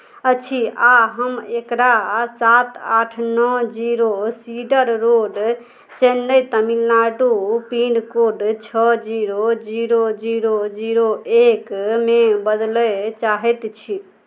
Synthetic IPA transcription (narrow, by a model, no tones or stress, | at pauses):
ət͡ʃʰiaɦəmekɾasat̪aʈʰnɔd͡ʒiɾosiɖəɾːoɖ | t͡ʃɛnːəjt̪əmilːaɖupiɳɖkoɖt͡ʃʰɔd͡ʒiɾod͡ʒiɾod͡ʒiɾod͡ʒiɾoekmebəd̪lɛt͡ʃaɦɛt̪t͡ʃʰi